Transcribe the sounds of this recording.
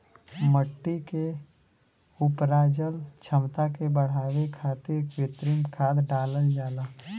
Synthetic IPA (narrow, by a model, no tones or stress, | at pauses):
məʈːike | ʊpɾaːd͡ʒəlt͡ʃʰəmt̪akebəɽ̤aːwekʰaːt̪ɪɾkwɪt̪ɾimkʰaːd̪ɖaːləld͡ʒaːlaː